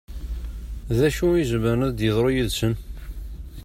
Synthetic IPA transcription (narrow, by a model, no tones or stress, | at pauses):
ðæʃuizməɾæðd̪jəðˤɾˤojiðsən